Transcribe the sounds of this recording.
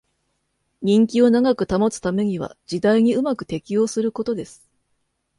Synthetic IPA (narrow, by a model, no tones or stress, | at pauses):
ɲ̟ĩŋkʲio̞naɡakɯ̟t̪amo̞t͡sɨ̥t̪ame̞ɲ̟iβ̞a̰d͡ʑid̪aiɲ̟iɯ̟makɯ̟̥t̪e̞kʲio̞ːsɨɾɯ̟ko̞t̪o̞d̪e̞sɨ̥